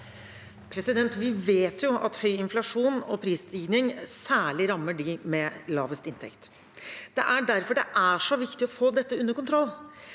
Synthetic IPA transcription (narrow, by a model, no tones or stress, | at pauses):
pʰɾɛsɪd̪ɛnt̪ʋɪʋeːt̪ʰjʊʔɑ̰t̪hœʏɪnflɑʂuːnɔpʰɾiːst̪iːɡnɪŋsæːɭɪɾɑmːəɖɪmɛlɑːʋəst̪ɪnt̪ʰɛ̰kt̪ | d̪̥ɛ̰ʔæɖæɾfɔɖɛ̰ʔæʂɔʋɪkt̪ɪɔfoːd̪ɛt̪ːəʉnːəɾkʊnt̪ʰɾɔlː